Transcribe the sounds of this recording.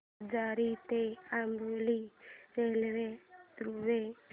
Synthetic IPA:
d͡ʒaːɾit̪eambuliɾelʋeɾuʋe

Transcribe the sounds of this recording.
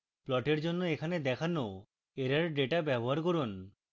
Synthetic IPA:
plɔʈeɾd͡ʒonːoekʰaned̪ɛkʰanːow | eɾaɾɖeʈabjɛbɔɦaɾkɔɾon

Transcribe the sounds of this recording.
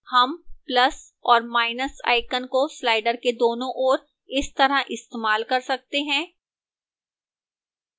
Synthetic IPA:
hɐmplɐs | ɔːɾmaːɪnəsa̰ːɪkənkoslaːɪɖəɾked̪oːnõʔɔːɾ | ɪst̪ɐɾaʔɪst̪eːmaːlkɐɾsɐk̚t̪eɦɛ̃ː

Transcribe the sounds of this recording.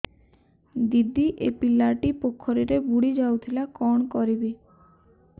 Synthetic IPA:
d̪id̪iʔepilːaʈipokʰːɔɾiɾebuɽid͡ʒawt̪ʰilakɔɳ̃kɔɾibe

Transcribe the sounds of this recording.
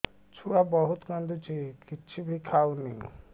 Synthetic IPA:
t͡ʃʰuɽabɔɦut̪kãnd̪ut͡ʃikit͡ʃʰibʱikʰawni

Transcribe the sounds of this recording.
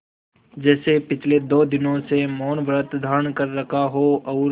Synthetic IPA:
d͡ʒɛːsepɪt͡ʃʰled̪oːd̪ɪnõsemɔːnʋɾət̪d̪ʱaːɾənkɐɾːɐkʰaɦoɐːɾ

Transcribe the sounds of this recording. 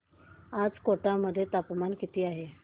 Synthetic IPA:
ad͡zkoʈaməd̪ʱːjet̪apmankit̪iːaɦe

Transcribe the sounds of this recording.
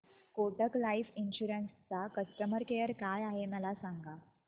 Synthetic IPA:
koʈəklaifinɕuɾənst͡sakəsʈəməɾkejəɾkajaɦeməlasaŋɡa

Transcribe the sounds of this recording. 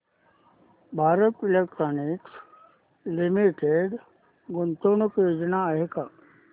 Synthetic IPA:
bʱaːɾət̪ilek̚ʈɾoniks | limiʈeɖ | ɡont̪onokjod͡ʒnaːɦeka

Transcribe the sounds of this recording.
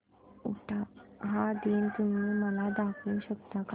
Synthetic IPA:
uʈʰaɦad̪int̪um̤iːməlad̪akʰũːɕəkt̪ak

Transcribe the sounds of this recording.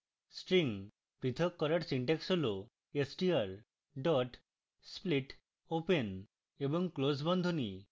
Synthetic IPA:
sʈɾiŋ | pɾit̪ʰɔkːɔɾaɾsiɳʈeksolo | esʈiaɾ | ɖɔʈ | spliʈ | open | ebɔŋklosbɔnd̪ʱoni

